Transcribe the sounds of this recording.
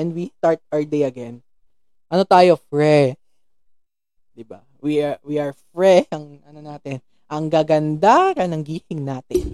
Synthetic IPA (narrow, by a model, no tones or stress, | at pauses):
ɛnd̪wist̪aɹt̪̚ɹd̪ejɐɡɛn | ʔɐnot̪aːjofɹɛ | d̪̥ɪba̰ | wiwiʔɐɹfɹɛʃɐŋʔɐnonaːt̪ɪn | ʔɐŋɡaːɡɐnd̪akɐnɐŋɡiːhɪŋnaːt̪ɪn